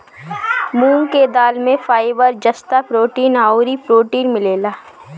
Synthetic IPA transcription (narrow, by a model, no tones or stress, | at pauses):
mũːŋked̪aːlmẽfaːɪbəɾd͡ʒɐst̪apɾoːʈiːnaːoɾipɾoːʈiːnmɪleːlaː